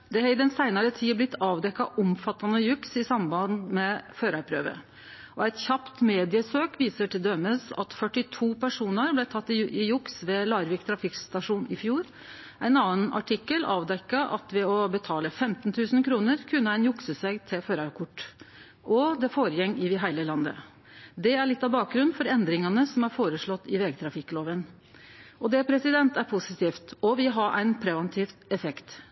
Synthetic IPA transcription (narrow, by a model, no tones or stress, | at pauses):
d̪ɛhɑɪd̪ɛnsæɪnɑɾət̪ʰiːblɪt̪ʰːɑːʋd̪ɛkːɑʔʊmfɑt̪ɑnəjʉksɪsɑmbɑnmɛføːɾɑɾpʰɾø̰ːʋə̰ | ʔɔæɪt̪çɑpt̪meːd̪ɪəsøːkʋiːsəʈɪld̪œməsɑ̰t̪fœʈːɪt̪ʰuːpʰæʂuːnəɾblæt̪ʰɑt̪ːɪɪjʊksʋɛlɑːɾʋiːkt̪ʰɾɑfɪkst̪ɑʂuːnɪfjuːɾ | æɪnɑnːənɑ̰ʈʰɪkːəlɑ̰ːʋd̪ɛkːɑʔɑ̰t̪ʋɛɔbət̪ʰɑːləfɛmt̪n̩t̪ʰʉːsn̩kʰɾuːnəɾkʰʉnːəæɪnjʊksəsæɪɡt̪ʰɪlføːɾɑkʰʊʈː | ʔɔd̪ɛfoːɾəjɛŋːɪʋɪɦæɪləlɑnd̪ə̰ | d̪ɛæɭɪt̪ːɑʋbɑːk̚ɡɾʉnfɔɾɛnd̪ɾɪŋɑnəsɔmæɾfoːɾəʂɭɔt̪ːɪʋɛɡt̪ʰɾɑfɪkːloːʋən | ɔd̪ɛpʰɾɛsɪd̪ɛnt̪æɾpʰʊsɪt̪ʰiːft̪ɔʋɪɦɑʔæ̰ɪnpʰɾɛʋɑnt̪ʰiːft̪ɛfɛkt̪